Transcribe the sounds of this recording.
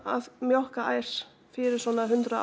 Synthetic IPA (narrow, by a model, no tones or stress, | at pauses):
a̰ðmjɔhkaʔa̰ːjɾ̥ | fɪɾɪɾ̥sɔːnaðɦʏnt̪ɾʏ